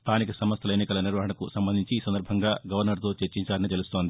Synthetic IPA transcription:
st̪ʰaːnikɐsɐmɐst̪ʰɐlɐeːnikɐlɐniɾʋɐɦɐɳɐkusɐmbɐnd̪ʱiɲt͡ʃiːsɐnd̪ɐɾbʱɐŋɡaːɡɐʋɐɾnɐɾt̪o̞ːt͡ʃeɾt͡ʃiɲt͡ʃaːɾɐnit̪̬e̞lust̪ond̪i

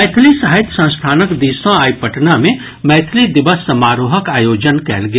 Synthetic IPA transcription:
ɛːt̪ʰlisɐɦɪt̪sə̃w̃sʈ̪ʰaːnəkd̪iːsõaːipəʈnamẽ | mɛːt̪ʰlid̪ɪʋəsːɐmaːɾoːɦəkaːjoːd͡ʒənkɛːlɡɐ

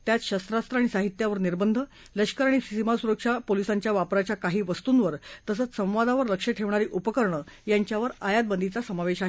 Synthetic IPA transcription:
t̪jat͡sɕast̪ɾast̪ɾəaɽ̃isaɦit̪jaʋəɾniɾbənd̪ʱə | ləɕkəɾaɽ̃isisimasuɾəkʂapolisaɲt͡ɕjaʋapɾat͡ɕjakaɦiːʋəst̪uːnʋəɾt̪əsət͡ssə̃w̃ʋad̪aʋəɾləkʂəʈʰeʋɳaɾiːʔupəkəɾɳə | jaɲt͡ɕjaʋəɾajad̪̚bənd̪ʱit͡sasəmaʋeɕaɦe

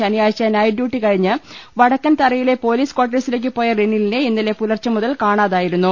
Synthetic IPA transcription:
ɐnijaːjɐt͡ɕːɐnaːjɖjuːʈːikɐɻiɲːɨʋɐɽɐkːɐnt̪ɐrɐjile̞po̞ːliːskwaːʈ̬ːɐsile̞ːk̬ːɨpːo̞ːjɐrenːilineenːile̞pulɐrt͡ɕːɐmuðɐlkaːɳaːðaːjiɾunːu

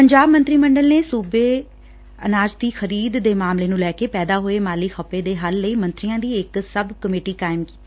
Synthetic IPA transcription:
pəɲd͡ʒaːbmə̃nt̪ɾiːməɳɖəlneːsuːbeː | ə̰naːd͡ʒt̪iːxʰəɾiːd̪ːeːmaːmleːnũːlɛːkeːpɛːd̪aːɦoːeːmaːlikxəpːeːd̪eːɦəlːəiːmə̃nt̪ɾijãːd̪iːɪksəbkəmeːʈiːkaːɪmki̥ː

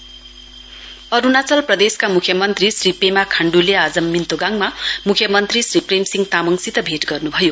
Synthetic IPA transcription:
ʌɾunat͡sʌlprʌd̪eskamukʰjʌmʌnt̪risripemakʰaɳɖulead͡zʌmːint̪oɡaŋmamukʰjʌmʌnt̪risripremsiŋɡt̪amʌŋsit̪ʌbʱeʈɡʌrnubʱʌjo

